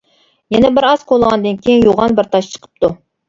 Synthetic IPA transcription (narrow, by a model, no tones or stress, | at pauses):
jɛnɛbɪɾɑzqʰolˠəʁɑnd̪ɨnkʲejinjoʁɑnbɪɾt̪ʰɑʃt͡ʃʰə̥qʰə̥p̚t̪u